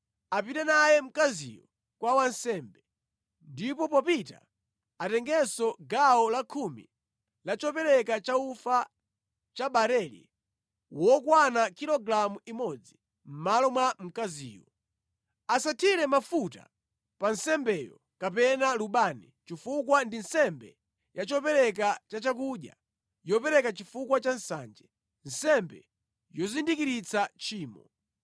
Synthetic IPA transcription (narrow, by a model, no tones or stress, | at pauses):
apitɛnajɛm̩kazḭjɔ | kwawansɛmbɛ | ndipɔpɔpita̰ | atɛŋɡɛsɔɡaɔlakʰumḭ | lat͡ʃɔpɛɾɛkat͡ʃaufa | t͡ʃaɓaɾɛlḭ | wɔkwanakiɾɔɡɾamuimɔd͡zi | m̩malɔmwam̩kazḭːjɔ̰ | asatʰiɾɛmafuta̰ | pansɛmbɛjɔ̰ | kapɛnaluɓanit͡ʃifukwandin̩sɛmbɛ | jat͡ʃɔpɛɾɛk̬at͡ʃat͡ʃakuɗja̰ | jɔpɛɾɛkat͡ʃifukwat͡ʃansa̰nd͡ʒɛ | n̩sɛmbɛ | jɔzindikiɾit͡sat͡ʃiːmɔ